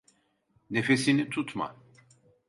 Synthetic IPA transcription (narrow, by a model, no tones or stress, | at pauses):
nefesinit̪ʰut̪ma̰